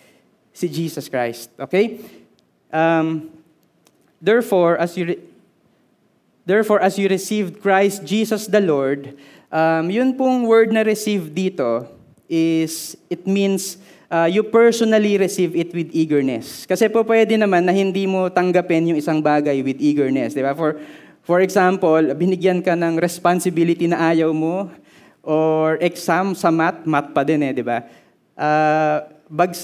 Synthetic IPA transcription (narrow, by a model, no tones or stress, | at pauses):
sɪd͡ʒiːsɐskɹajst̪̚ʔoːkej | ʔɐm | d̪ɛɹfoɹʔɐsjʊ | d̪ɛɹfoɹʔɐsjʊɾɪsivd̪̚kɹajst̪̚d͡ʒiːsɐsd̪ɐloɹd̪ | ʔɐmjʊnpʊŋwɛɹd̪̚nɐɾɪsivd̪iːt̪o̞ | ʔɪsʔɪt̪̚mins | ʔaːjʊpɛɹsonɐliɾɛsivɪt̪wɪd̪iːɡɛɹnɛskɐsɛpʊpwɛd̪ɪnɐmanːɐhɪnd̪imot̪ɐŋɡɐpɪnjʊŋɪsaŋbaːɡɐjwɪd̪iːɡɛɹnɛsd̪ɪbafɔɹ | fɔɹɛksampolbɪnɪɡjɐnkɐnɐŋɾɛspansɪbilɪt̪inɐʔaːjɐwmo | ʔoɹʔɛksamsɐmat̪̚mat̪̚pɐd̪ɛnɛd̪ɪba | ʔaː | bɐɡ